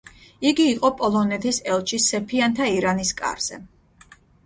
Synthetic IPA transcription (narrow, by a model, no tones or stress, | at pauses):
iɡiːqʼɔpʼɔlˠɔnɛt̪ʰisɛlˠt͡ʃʰisːɛpʰiant̪ʰaiɾaniskʼa̰ɾz̥ɛ̰